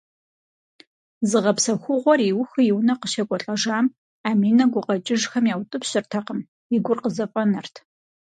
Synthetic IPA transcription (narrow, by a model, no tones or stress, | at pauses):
zɨʁɐpsɐxʷʊʁʷɔriwʊxɨjɪwnɐqəʃɐkʷʼɔɬʼɐʒaːm | aːmiːnɐɡʷʊqɐt͡ʃʼɪʒxɐmjaːwtʼɨpɕʼɪrtʰɐqəm | ɪɡʷʊrqəzɐpʼɔnɐrtʰ